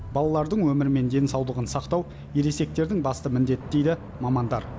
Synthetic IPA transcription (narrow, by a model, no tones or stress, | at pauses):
b̥ɑlˠɑlˠɑɾd̪əɴwɵmɪɾɪme̞nd̪e̞nsɑwlˠəʁənsɑqt̪ɑw | jeɾe̞se̞k̚t̪e̞ɾd̪ɪŋbɑst̪əmɪnd̪e̞t̪d̪e̞jd̪ɪ | mɑmɑnd̪ɑɾ